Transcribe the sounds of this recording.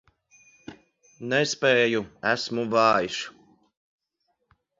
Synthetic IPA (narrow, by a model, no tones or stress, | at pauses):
nɛspɛːjuæsmuvɑːjiʃ